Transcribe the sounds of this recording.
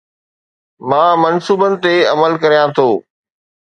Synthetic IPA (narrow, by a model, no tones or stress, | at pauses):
mãːmɐnsuːbənɪ̆t̪eɐməlkɐɾijãt̪ʰoː